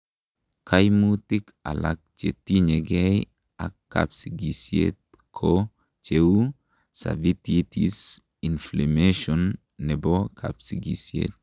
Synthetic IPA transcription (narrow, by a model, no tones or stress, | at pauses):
kʰajmutika̰lak̚t͡ʃetiɲeɡej | akːa̰psiɡisiḛt̚ | kʰo | t͡ʃe | sa̰vititis | inflemeʃɔnː | ɛbokʰa̰bsiɡisiḛt̪̚